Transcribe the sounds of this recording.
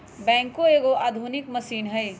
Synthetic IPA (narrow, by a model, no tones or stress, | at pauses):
bɛ̃ːŋkoeːɡoʔaːd̪ʱunɪkməsiːnɦəj